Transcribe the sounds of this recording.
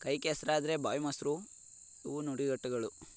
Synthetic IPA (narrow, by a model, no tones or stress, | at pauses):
kɐjkesɐɾaːd̪ɐɾe̞baːjmɐsɾu | iʋunuɽiɡɐʈːɐɡɐɭu